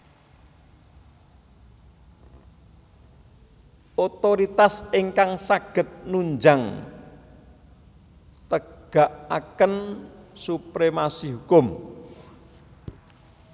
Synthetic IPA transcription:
ʔot̪oɾit̪asɪŋkaŋsaɡ̥ə̤t̪̚nuɲd͡ʒaŋ | t̪əɡ̥a̤ʔakənsupɾemasiɦukʊm

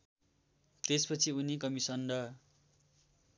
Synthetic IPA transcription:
t̪espʌt͡sʰiunikʌmisʌndʌ

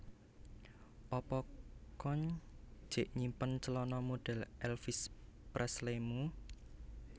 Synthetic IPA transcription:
ʔɔpɔkɔɲ̥d͡ʒ̥e̤ʔɲimpənt͡ʃəlɔnɔmoɖ̥ɛ̤lʔɛlfispɾɛslemu

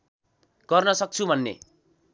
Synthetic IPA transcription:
ɡ̥ʌrnʌsʌk̚t͡sʰubʱʌnːḛ

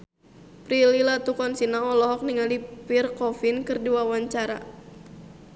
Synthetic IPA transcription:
pɾililat̪ukɔnsinaɔlɔɦɔk̚niŋalipirkɔfinkɨrdiwawaɲt͡ʃaɾa̰

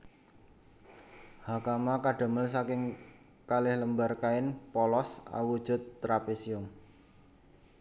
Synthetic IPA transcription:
hakamakaɖ̥a̤məls̬akɪŋ | kalɪhləmbarkaɪnpɔlɔsa̰wud̥ʒ̥ʊ̤t̪ːɾapesiʊm

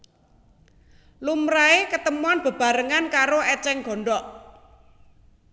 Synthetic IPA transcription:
lumɾaekət̪əmuanb̥ə̤b̥a̤ɾəŋankaɾoɛt͡ʃɛŋɡ̥ɔ̤ɳɖɔʔ

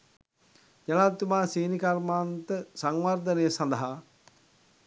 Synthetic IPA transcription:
ɲalat̪ːumaːsiːnikarmant̪əsaŋʋaɾd̪ənejəsand̪əɦa

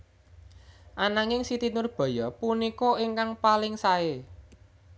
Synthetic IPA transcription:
ʔanaŋɪŋsit̪inʊrb̥ɔ̤jɔpunikoiŋkaŋpalɪŋsae

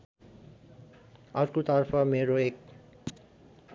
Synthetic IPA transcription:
ʌɾkut̪ʌɾpʰameɾoek̚

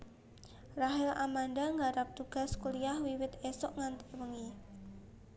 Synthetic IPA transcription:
raɦɪlʔamandaŋɡaɾap̚t̪uɡ̥a̤skuliahwiwɪt̪̚ɛsɔʔŋant̪ɪʔwəŋi

